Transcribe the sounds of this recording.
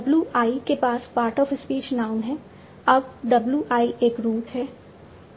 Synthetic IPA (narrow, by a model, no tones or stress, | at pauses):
ɖɐbluʔaːikepaːspaːɾʈɔːfɪspiːt͡ʃnaːʊ̃nɦɛː | ɐb̚ɖɐbluʔaːiʔeːkɾuːt̪ɦɛː